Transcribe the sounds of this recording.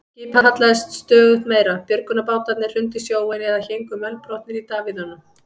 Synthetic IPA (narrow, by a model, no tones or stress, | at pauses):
ciphaat̪laðɪst̪st̪œːɣʏht̪meːjɾapjœɾkʏnapaːwt̪at̪nɪr̥ʏnt̪ɪsjoːwɛnɛðaçejŋkʏmœlpɾɔht̪nɪɾit̪aːvɪðhɔnːʏm